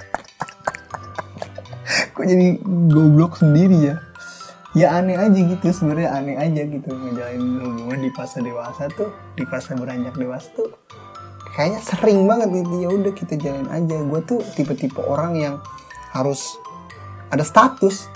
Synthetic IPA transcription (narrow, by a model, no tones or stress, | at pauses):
kud͡ʒadiɡoblɔksəndiɾija | jaːnɛad͡ʒaɡit̪usəmərɲaʔanɛkad͡ʒaɡit̪uŋəd͡ʒalanhubuŋandipaasadewasat̪u | dipasabəɾaɲd͡ʒak̚dewasḁt̪u | kajaɲasəɾɪŋbaŋət̪̚ɡit̪̬ujaudahkit̪ad͡ʒalana̰d͡ʒaɡuat̪ut̪ip̬at̪ipa̰ʔoɾaŋjaŋ | haɾʊs | adast̪at̪ʊs